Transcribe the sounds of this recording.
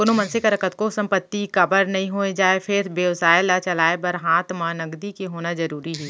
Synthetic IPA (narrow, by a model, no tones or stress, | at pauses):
pʊnomɐ̃nsɪkɾəkət̪̚kosɐ̃mpət̪ːikɐbəɾnɐɦĩɦoːed͡ʒaːefʰɪɾbeʋsaːɪlat͡ʃɐlaːebəɾɦaːt̪ʰmaːnɐɡd̪ikeɦoːnazɐɾuːɾiɦɛː